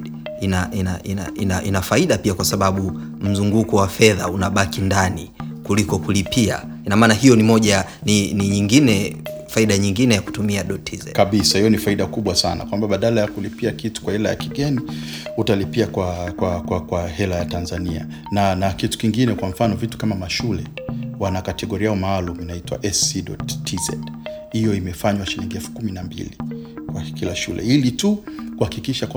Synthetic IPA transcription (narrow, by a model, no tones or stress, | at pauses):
inaʔinaʔina̰inaʔinafaiɗapiakwasaɓaɓu | m̩zuŋɡukɔwafɛðaunaɓakindanikulikɔkulipʰia̰ | inamaːnahijɔnimɔʄa | niniɲiŋɡinɛfaiɗaɲiŋɡinɛjaku̥tumiaɗɔtʰizɛ̰kaɓisahijɔnifaiɗakuɓwasa̰na̰kwambaɓaɗalajakulipiakitu̥kwahɛlaja̰kiɡɛni | utalipiakwakwakwakwahɛlajatanzania̰ | nanakitu̥kiŋɡinɛkwamɱ̩fanɔvitu̥kamamaʃulɛwanakatɛɠɔɾijaɔmaːluminaitwa̰ʔɛsiɗɔ̰ttʰːizɛ̰ɗhijɔimɛfaɲwaʃiliŋɡiɛfu̥kuminambḭlikwakilaʃṵlɛ̰ilitukuhakikiʃak